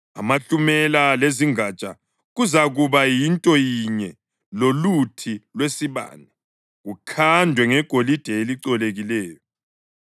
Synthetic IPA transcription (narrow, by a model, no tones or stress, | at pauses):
amaɬumɛlaleziŋat͡ʃʼa̰ | ɣuzaɣuβajintʼɔjiɲɛ | lolutʰilwesiβa̰ːnɛ | ɣukʰandʱwɛŋɛɡ̥ʱolid̥ʱɛeliǀɔleɣilɛːjɔ